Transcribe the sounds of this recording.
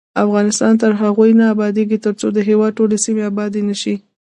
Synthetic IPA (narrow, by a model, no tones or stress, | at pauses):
afɣɑnɪst̪ɑnt̪əɾɦaɣujnaːbɑd̪eɡit̪əɾt͡sod̪əɦewɑd̪̚ʈolesimeabɑd̪inəʃi